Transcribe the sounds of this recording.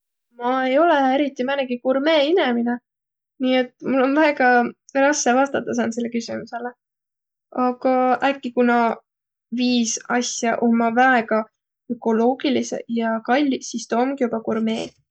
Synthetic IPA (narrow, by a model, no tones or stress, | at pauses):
mɑe̞jo̞leeɾit̪ːˑimæneɡ̥ikurme̞ːinemine | niːe̞t̪ːˑmulːo̞nvæeɡɑrɑsːevɑst̪ɑt̪ːˑɑs̬ɑnse̞lːe̞kysimuse̞le | ɑɡ̥ɑʔækːikunɑ | viːsɑsʲjɑʔo̞mːɑvæeɡ̥ɑ | økːˑo̞lo̞ːɡ̥ilisḛjɑkɑlʲːisist̪oːmɡ̥ijubɑkurme̞̰̥ː